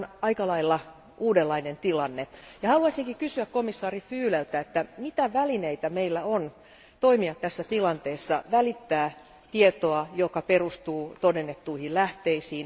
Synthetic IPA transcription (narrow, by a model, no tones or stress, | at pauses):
nɑikɑlɑilːɑ | ʔuːdelːɑinent̪ilɑnːejɑhɑluɑsiŋkikysyækkomisːɑːrifyːlelt̪æet̪ːæmit̪æʋælineit̪æmeilːæon | t̪oimiɑtt̪æsːæt̪ilɑnt̪eːsːɑʋælit̪ːæː | t̪iet̪oɑjokɑperust̪uːt̪odenːet̪ːuihillæht̪eisiːn